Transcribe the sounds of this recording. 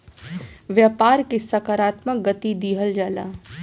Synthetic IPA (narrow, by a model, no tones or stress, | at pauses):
ʋjaːpaːɾkesɐkaɾaːt̪mək̚ɡət̪id̪iːɦəld͡ʒaːlaː